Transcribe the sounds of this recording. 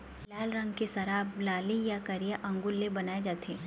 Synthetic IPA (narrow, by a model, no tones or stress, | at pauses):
lɛːlɾɐ̃ŋɡkesɐɾaːblaːlijakɐɾijaʔɐ̃ŋɡʊlːebɐnaːed͡ʒaːt̪eː